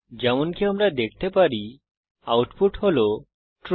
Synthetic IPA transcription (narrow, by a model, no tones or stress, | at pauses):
d͡ʒɛmonkiamɾad̪ek̚ʰt̪epaɾi | awʈpʰuʈholo | ʈɾ